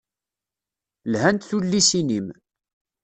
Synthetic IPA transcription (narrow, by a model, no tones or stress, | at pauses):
lhænt̪θulːisinim